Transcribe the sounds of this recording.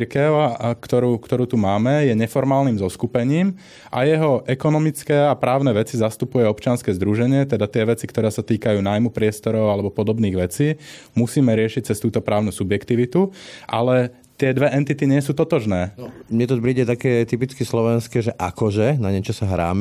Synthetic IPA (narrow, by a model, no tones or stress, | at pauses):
ɾkɛʊkt̪ɔɾuːkt̪ɔɾuːt̪umaːmɛjɛɲɛfɔɾmaːlniːmzɔskupɛɲiːm | ʔa̰jɛɦɔʔɛkɔnɔmit͡skɛːapɾaːʊnɛʋɛt͡sizast̪upujɛɔpt͡ʃɪanskɛːzd̪ɾuʒɛɲɪɛt̪ɛd̪at̪ɪɛʋɛt͡sikt̪ɔɾɛːsat̪iːkajuːnaːjmupɾɪɛst̪ɔɾɔʊalɛbɔpɔd̪ɔbniːɣʋɛt͡siːmusiːmɛɾɪɛʃic̚t͡sɛst̪uːt̪ɔpɾaːʊnusubjɛkt̪iʋit̪uʔa̰lɛ | t̪ɪɛd̪ʋɛʔɛnt̪it̪iɲɪɛsuːt̪ɔt̪ɔʒnɛːnɔmɲɛt̪ɔpɾiːɟɛt̪akɛːt̪ipit͡skislɔʋɛnskɛːʒɛʔakɔʒɛnaɲɛt͡ʃɔsaɦɾa̰ːm